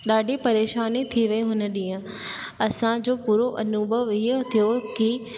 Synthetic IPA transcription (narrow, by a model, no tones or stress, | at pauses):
ɗaːɖʱipɐɾeːʃaːnit̪ʰiʋɐiɦʊnə̆ɗĩːə̃ | ɐsãd͡ʑoːpuːɾoʔɐnubʱəʋiɦt̪ʰijoki